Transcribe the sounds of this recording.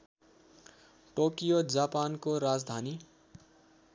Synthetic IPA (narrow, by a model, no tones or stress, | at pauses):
ʈokijod͡zapankoɾad͡zd̪ʱani